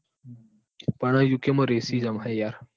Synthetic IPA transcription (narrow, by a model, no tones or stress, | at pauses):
pɐɽ̃ãjukemɐɾesid͡ʒɐmɦajaɾ